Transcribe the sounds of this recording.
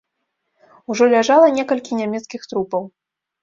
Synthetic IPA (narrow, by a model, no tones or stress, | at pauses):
uʐɔlʲaʐalˠɐnʲɛkɐlʲkʲinʲamʲɛt̪skʲixt̪ɾupɐw